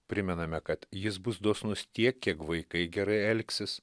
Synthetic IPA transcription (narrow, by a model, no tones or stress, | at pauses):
pʲɾʲɪmʲɛnɐmʲɛkɐt̪jɪs̬bʊsd̪oːsnʊst̪ʲiɛkʲkʲːiɛkʋɐɪkɐɪɡʲɛɾɐɪɛlʲksʲɪs